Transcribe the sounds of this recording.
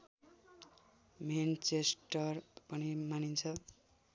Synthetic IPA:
ment͡sesʈʌrpʌnimanint͡sʰʌ

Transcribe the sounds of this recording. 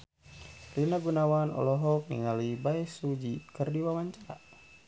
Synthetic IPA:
rinaɡunawanɔ̰lɔɦɔk̚nḭŋalibaɛsud͡ʒikərdiwamaɲt͡ʃaɾa̰

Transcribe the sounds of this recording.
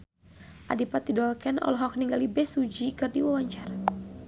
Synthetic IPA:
ʔadipat̪̚didɔlkɛnɔ̰lɔɦɔk̚niŋɡalibɛsud͡ʒikɨrdiwawaɲt͡ʃara

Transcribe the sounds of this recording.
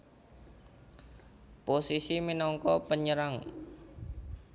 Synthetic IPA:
posisiminɔŋkɔpəɲəɾaŋ

